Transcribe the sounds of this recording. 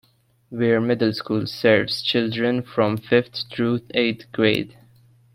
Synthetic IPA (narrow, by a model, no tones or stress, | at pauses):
wɛɹmɪdl̩ˠskuːlsɛɹvz̥t͡ʃɪldɹə̃nfɹɔ̃mfɪft̪tɹueɪt̪ɡ̥ɹeɪd